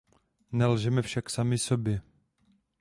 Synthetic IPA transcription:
nɛlʒɛmɛfʃaksamɪsobjɛ

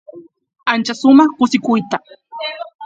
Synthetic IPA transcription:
ant͡ʃasʊmɑχkʊsɪkʊjt̪a

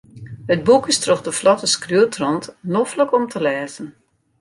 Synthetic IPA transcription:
həd̚bukistrɔxdəflɔtəskryətʰrɔntnofləkɔmtʰəlɛːzən

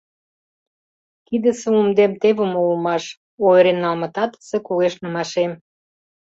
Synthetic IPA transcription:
kid̪ə̆sĕumd̪emt̪eβə̆moumɑʃ | oeɾenːɑlmɑ̆t̪ɑt̪ə̥sĕkuɣeʃnə̆mɑʃem

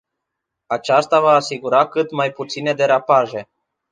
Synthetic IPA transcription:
at͡ʃast̪avaːsiɡuɾakɨt̪majput̪sine̞d̪e̞ɾapaʒe̞

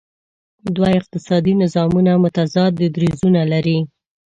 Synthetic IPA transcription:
d̪waɪq̚t̪ɪsɑd̪inɪzɑmunamʊt̪azɑt̪̚d̪əd̪ɾizunalaɾi

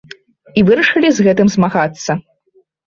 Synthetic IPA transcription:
ivɨɾɐʂɨlʲizɣɛt̪ɨmzmaɣat̪sːɐ

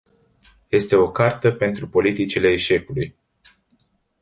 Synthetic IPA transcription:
je̞st̪e̞o̞kart̪əpe̞nt̪ɾupo̞lit̪it͡ʃile̞ːʃe̞kuluj

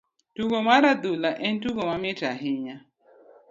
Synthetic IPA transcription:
tuɡomaɾadulaʔɛntuɡomamitaɦɪɲa

